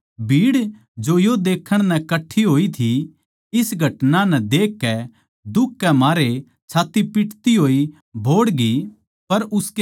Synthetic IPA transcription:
bʱiːɽ | d͡ʒojod̪eːkʰːəɽ̃nɛkɐʈʰːiɦoːit̪ʰi | ɪsɡʱɐʈnãnɛd̪eːkːɛ | d̪ʊkʰːɛmaːɾe | t͡ʃʰaːt̪ːipɪʈʰt̪iɦoːi | bʱoːɽɡi | pɐɾʊske

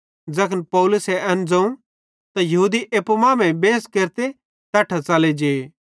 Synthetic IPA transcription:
d͡zɐkʰənpɐʊlʊsɛʔɐnd͡zɐ̃ũ | t̪ajɐɦuːd̪iʔeːpmãːmɛ̃bẽːskeːɾt̪e | t̪aːʈʰat͡saːled͡ʒeː

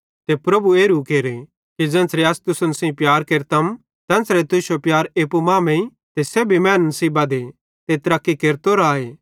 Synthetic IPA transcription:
t̪epɾɐbueːɾukeːɾe | kid͡ʒɐ̃ːnsɾeɐst̪ʊsʊnɐsĩpjaːɾkeːɾt̪ɐm | t̪ɛ̃ːnsɾet̪ʊʃopjaːɾeːpumaːmẽi | t̪esebʱimɛ̃ːnːnɐsiːbaːd̪e | t̪et̪ɐɾaːkːikeːɾt̪oɾaːeː

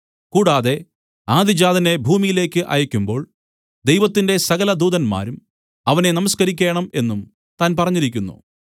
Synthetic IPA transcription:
kuːɽaːðe̞ | aːd̪ʱid͡ʑaːd̪ʱɐne̞bʱuːmijile̞ːkʲːɨʔɐ̰jɐkʲːumbo̞ːɭ | d̪ejʋɐt̪ːinde̞sɐɣɐlɐd̪uːðɐnma̰ːɾum | ɐʋɐne̞nɐmɐskɐɾikʲːe̞ːɳɐme̞nːum | t̪aːnpɐrɐɲːiɾik̬ʲːunːṵ

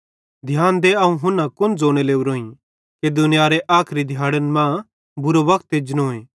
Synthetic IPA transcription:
d̪ʱjaːnd̪eɐũɦʊnãkʊnd͡zoːɽ̃eleːuɾoːĩ | ked̪ʊnɪjaːɾeʔaːkʰɾid̪ʱjaːɽənmãː | bʊɾoʋɐkʰt̪ed͡ʒnõːẽː

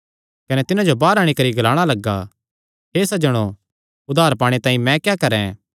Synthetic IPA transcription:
kɐnɛt̪ɪnãd͡ʒobaːɾaːɽ̃ikɐɾiɡɐlaːɽ̃alɐɡːa̰ | ɦeːsɐd͡ʒɐɽ̃o | ʊd̪ʱaːɾpaːɽ̃et̪ãːĩmɛ̃kjaːkɐɾɛ̰̃

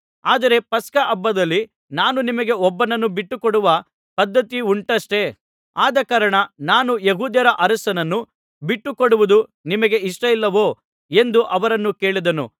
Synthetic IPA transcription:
aːd̪ɐɾe̞pɐskɐʔɐbːɐd̪ɐlːi | naːnunimɐɡe̞ɔbːɐnɐnːubiʈːukɔɽuʋɐ | pɐd̪ːɐt̪iuɳʈɐʂʈe̞ | aːd̪ɐkaːɾɐɳɐnaːnujeɦuːd̪jɐɾɐʔɐɾɐsɐnɐnːu | biʈːukoɽuʋud̪unimɐɡe̞iʂʈɐilːɐʋoː | e̞nd̪uʔɐʋɐɾɐnːuke̞ːɭid̪ɐnṵ

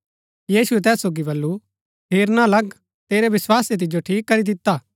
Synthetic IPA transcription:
jiːsuɛt̪ɛːsːoːɡibɐlːu | pʰeːɾnãlɐɡ | t̪eːɾeʋɪswaːset̪̬ɪd͡ʒoʈʰiːkːɐɾid̪ɪt̪ːaː

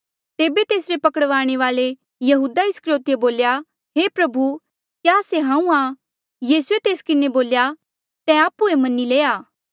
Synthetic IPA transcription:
t̪eːbet̪eːsɾepɐkəɽʋaːɽ̃eʋaːle | jɐɦuːd̪aɪskɾjoːt̪jeboːlja | ɦeːpɾɐbʱu | kjaːseɦãːũa | jiːsuet̪eːskɪneboːlja | t̪ɛ̃aːpːuemɐnːileːaː

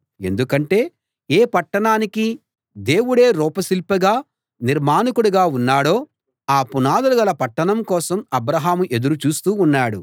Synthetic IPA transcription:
e̞̰nd̪ukɐɳʈe̞ː | eːpɐʈːɐɳaːniki | d̪e̞ːwuɽe̞ːɾɔːpɐsilpɐɡaː | niɾmaːnɐkuɽuɡaːunːaːɽo̞ː | aːpunaːd̪ɐluɡɐlɐpɐʈːɐɳɐmkɔːsɐmɐbɾɐɦaːmuʔe̞d̪uɾut͡ʃuːst̪uːnːaːɽu

